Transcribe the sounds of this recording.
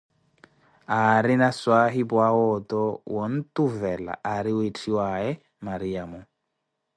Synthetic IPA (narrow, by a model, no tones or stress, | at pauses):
aɾɪnaswaɦɪbwawɔtɔwɔn̩tuvɛla̰ʔaɾɪwetʰiwaɛ | maɾiamʊ